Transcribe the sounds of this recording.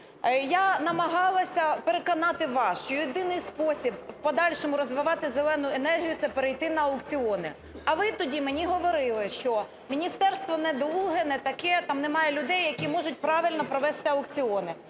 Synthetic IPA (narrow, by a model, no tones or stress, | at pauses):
janɐmɐɦɑlˠɐsʲɐpeɾekɔnɑt̪ɪʋɑsʃt͡ʃɔjid̪ɪnɪjspɔsʲibpɔd̪ɑlʲʃɔmʊɾɔzʋɪʋɑt̪ɪzelˠɛnʊenɛrɦʲijʊt̪sɛpeɾejt̪ɪnɐɐʊkt͡sʲiɔnɪ | ɐʋɪt̪ɔdʲimenʲiɦɔʋɔɾɪlˠɪʃt͡ʃɔ | mʲinʲist̪ɛrst̪ʋɔnɛd̪ulˠɦɛnɛt̪ɐkɛt̪ɑmnɛmɑjɛlʲʊd̪ɛjːɐkʲimɔʒʊt̚ʲpɾɑʋɪlʲnɔpɾɔʋɛst̪ɪɐʊkt͡sʲɪɔnɪ